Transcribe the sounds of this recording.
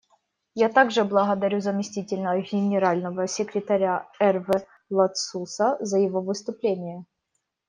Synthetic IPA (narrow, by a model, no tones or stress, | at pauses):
jat̪aɡʐɨblˠəɣəd̪ɐɾʲuzəmʲɪsʲtʲitʲɪlʲnəɡʲɪnʲɪɾalʲnəvəsʲɪkɾʲɪt̪ɐɾʲaɛrvɛ | lˠɐt̪susəzəjɪvovɨst̪ʊplʲenʲɪjə